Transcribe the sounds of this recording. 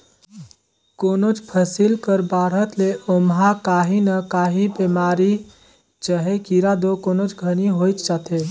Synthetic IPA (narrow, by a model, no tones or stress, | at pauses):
koːnot͡ʃpʰəsilkəɾbaːɽ̤ɦət̪leʔomɦakaːɦinəkaːɦibeːmaːɾi | t͡ʃəɦekiɾad̪okoːnot͡ʃɡʱəniɦoːit͡ʃ̪t͡ʃat̪e